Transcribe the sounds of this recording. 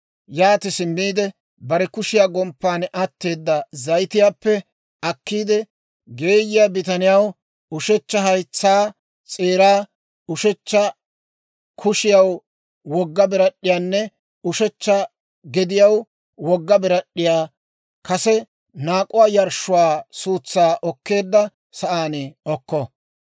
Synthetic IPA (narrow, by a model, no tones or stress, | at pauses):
jaːt̪ɪsɪmːiːd̪ɛ | bɐɾɛkʊʃɪjaːɡɔmpːaːnʔɐt̪ːe̞ːd̪ːɐzɐjt̪ɪjaːpːɛ | ɐkːiːd̪ɛ | ɡe̞ːjɪjabɪt̪ɐnɪjɐw | ʊʃɛt͡ʃːɐɦɐjt͡sːaː | t͡sʼe̞ːɾaː | ʊʃɛt͡ʃːɐ | kʰʊʃɪjɐw | wɔɡːɐbɪɾɐɗːɪjaːnːɛ | ʊʃɛt͡ʃːɐ | ɡɛd̪ɪjɐw | wɔɡːɐbɪɾɐɗːɪjaː | kɐsɛ | naːkʼʊwaːjɐɾʃːʊwaːsuːt͡sːaːʔɔkːe̞ːd̪ːɐ | sɐʔaːnɛɔkːɔ